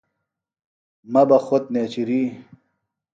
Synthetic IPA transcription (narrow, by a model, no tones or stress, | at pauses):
mɐbɐxot̪̚neːt͡ɕiɾiː